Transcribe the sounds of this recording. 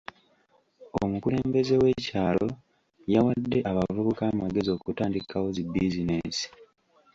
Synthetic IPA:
o̰mukule̞ːmbe̞ze̞we̞caːlo̞ | jawadːe̞ʔaβavuβukaːmaɡe̞zio̞kutaːndikʰawozibːizinesi̥

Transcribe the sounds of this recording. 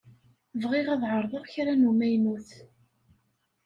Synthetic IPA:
vʁɪʁæðˤʕəɾˤðˤəʁçɾænumæjnuθ

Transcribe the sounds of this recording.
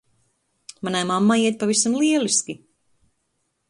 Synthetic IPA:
manajmamːajiɛt̪̚pavisamlˠiɛlˠiskʲi

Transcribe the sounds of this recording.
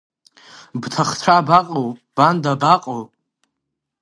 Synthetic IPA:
btʰaχt͡ɕʷʰabaqʼowb̥andabaqʼawʼ

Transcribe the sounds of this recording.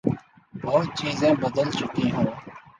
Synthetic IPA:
bəɦʊt̪̚t͡ʃiːzẽːbəd̪əlt͡ʃʊkĩːɦũː

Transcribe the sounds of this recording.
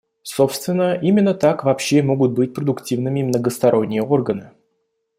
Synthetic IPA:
so̞pst̪vʲɪnːəʔimʲɪnːət̪akvɐpɕːemo̞ɡʊt̪̚bɨt̚ʲpɾəd̪ʊktʲivnɨmʲɪmnəɡəst̪ɐɾʔo̞nʲːɪjəo̞rɡənɨ

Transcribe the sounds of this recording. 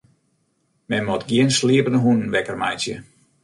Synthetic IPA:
mɛnmɔtɡjiənsliəpənəɦunn̩ʋɛkərma̰jsjə̰

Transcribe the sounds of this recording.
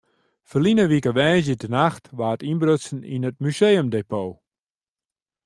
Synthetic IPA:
fərlinəʋikəʋɛjz̬jədənaxtʋaːətinbrøtsn̩ḭnət̚myseːəmdeːpʰoː

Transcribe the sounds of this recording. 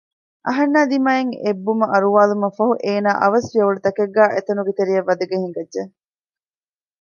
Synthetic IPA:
ʔɐ̰ɦɐnːaːd̪imaːjeŋebːumɐʔɐɾuʋaːlumɐfɐɦuʔeːnaːʔɐʋɐsʋiɐʋuɖut̪ɐkeɡːæːʔet̪ɐnuɡet̪eɾijɐʋːɐd̪ɐɡeɦiŋɡɐdʒe

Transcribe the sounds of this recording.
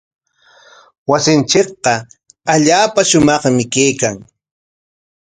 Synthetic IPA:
wasɪnt͡ʃɪk̚qɑ | aʎaːpaʃʊmɑχmɪkejkaŋ

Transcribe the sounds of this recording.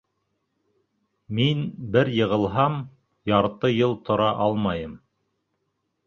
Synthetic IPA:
minbɘɾjɤ̆ʁɤ̆lˠɦɑm | jɑɾt̪ɤjɤlˠt̪ʰŏɾɑʔɑlˠmɑjɤm

